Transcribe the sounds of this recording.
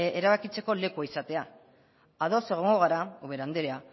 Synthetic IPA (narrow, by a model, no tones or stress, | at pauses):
eɾaβakit͡se̞ko̞le̞kuaisat̪e̞a | aðo̞seɣ̞oŋɡo̞ɣ̞aɾauβe̞ɾand̪eɾea